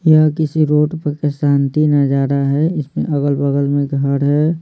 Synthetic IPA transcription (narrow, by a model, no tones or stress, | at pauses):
jakɪsiɾoːʈpaːkɪsstaːnt̪inad͡ʒaːd̪aɦɛɪsmḛ̃ʔɐɡəlbəɡəlmẽɡʱəɽɦɛ